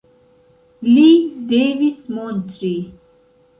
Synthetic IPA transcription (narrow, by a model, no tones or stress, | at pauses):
lid̪eːvismont̪ɾi